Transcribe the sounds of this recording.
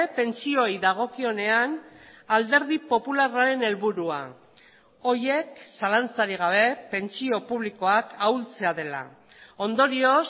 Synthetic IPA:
pe̞nt͡sio̞jðaɣ̞o̞kio̞ne̞anald̪e̞ɾð̞ipo̞pularaɾe̞ne̞lβuɾua̰ | o̞je̞ksalant͡saɾiɣ̞aβ̞e̞pe̞nt͡sio̞puβ̞liko̞akawlt͡se̞að̞e̞la̰ | o̞nd̪o̞ɾio̞s

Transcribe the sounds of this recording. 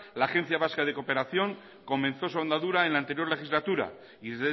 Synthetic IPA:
laːxe̞nθjaβaskað̞e̞ko̞pe̞ɾaθjo̞ŋ | ko̞mẽ̞nθo̞suand̪aðuɾae̞nlaːnt̪e̞ɾjo̞ɾle̞xizlat̪uɾa̰ | iðezðe

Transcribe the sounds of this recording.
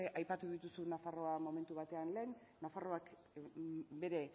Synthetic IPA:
eʔajpat̪uðit̪usunafaro̞amo̞me̞nt̪uβ̞at̪e̞anle̞ːnː | afaro̞ak | be̞ɾe̞

